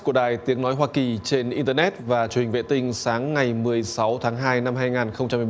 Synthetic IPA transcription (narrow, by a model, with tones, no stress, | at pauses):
ku˧˩əɗaː˨˩jt̪i˨˦əŋnɔ˨˦jɦwaː˧ki˨˩t͡ɕe˧nʔi˧nt̪əː˧nɛ˦˥t̚vaː˨˩t͡ɕu˨˩hï˨˩ŋ̟vḛ˧˨t̪ï˧ŋ̟saː˨˦ŋːa˨˩jmɨ˨˩əjsa˨˦wt̪ʰaː˨˦ŋɦaː˧jna˧mhaː˧jŋaː˨˩nxə˧wŋ͡mt͡ɕa˧mː˧˨˩